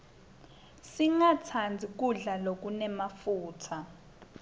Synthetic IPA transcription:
siŋat͡sʰand͡zʱik̬uɮalok̬unɛmafuːtʰa

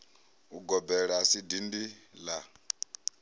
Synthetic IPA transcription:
uɡɔbɛɺasidindila

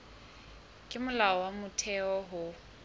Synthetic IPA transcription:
kʼɪmʊlaɔwamʊtʰɛɔɦʊ

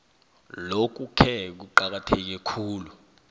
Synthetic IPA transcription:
lok̬ukʰɛk̬uǃak̬atʰek̬ɛkʰuːlu

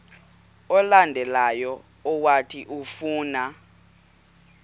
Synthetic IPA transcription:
ɔlandʱɛlajɔ | ɔwatʰiʔufuːna

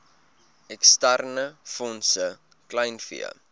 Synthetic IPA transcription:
ɛkstærnəfɔnsə | klɐjnfḭə̰

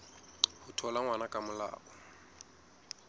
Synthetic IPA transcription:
hʊtʰɔlaŋwanakʼamʊla̰ːʔɔ

